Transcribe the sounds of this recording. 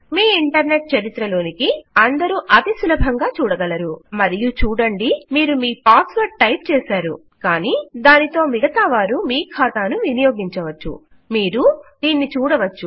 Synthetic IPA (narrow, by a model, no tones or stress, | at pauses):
miːiɳʈɐɾne̞ʈ̚t͡ʃɐɾit̪ɾɐlo̞ːnikiɐnd̪ɐɾuʔɐt̪isulɐbʱɐŋɡaːt͡ʃuːɽɐɡɐlɐɾumɐɾijut͡ʃuːɽɐɳɖimiːɾumiːpaːsʋɐʈ̚ʈɐjp̚t͡ʃɛːsaːɾṵ | kaːniːd̪aːnit̪o̞ːmiɡɐt̪ɐʋaːɾumiːkʰaːt̪aːnuʋinɐjo̞ːɡiɲt͡ʃɐʋɐt͡ʃːṵ | miːɾud̪̥iːnːit͡ʃuːɽɐʋɐt͡ʃːu